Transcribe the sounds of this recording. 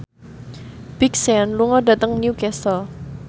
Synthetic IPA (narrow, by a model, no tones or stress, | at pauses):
b̥iksɛnluŋɔda̤t̪əŋniukɛsɔ